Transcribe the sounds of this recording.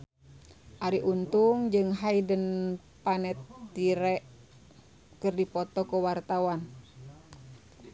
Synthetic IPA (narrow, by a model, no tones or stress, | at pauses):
ʔaɾiʔunt̪uŋd͡ʒɨŋɦaidən | panɛt̪ːiɾɛʔ | kɨrdipɔt̪ɔkuwart̪awan